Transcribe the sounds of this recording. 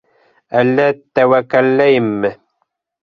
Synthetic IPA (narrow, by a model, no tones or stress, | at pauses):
alːat̪ːawakalːajmːɪ